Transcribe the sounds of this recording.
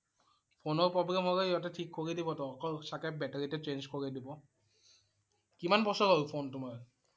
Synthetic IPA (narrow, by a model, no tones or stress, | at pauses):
pʰonɔɹpɔbɹɛmɔɹɔjatɛtʰikʰːoɹidibɔtɔkɔɹsakɛp̚bɛteɹitɛt͡ʃenzkoɹidibɔ | kimanbɔsɔɹaɹupʰontʊmaɹ